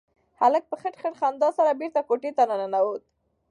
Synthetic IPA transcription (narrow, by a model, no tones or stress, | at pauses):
halək̚pəxəʈxəʈxand̪ɑsaɾabeɾt̪akoʈet̪ananənawot̪̚